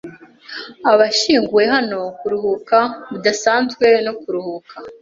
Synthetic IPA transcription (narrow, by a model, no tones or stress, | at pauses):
aβaʃiːŋɡuwe̞ɦano̞kuɾuhukaβudasaːnzɡwe̞no̞kuɾuhuːkʰa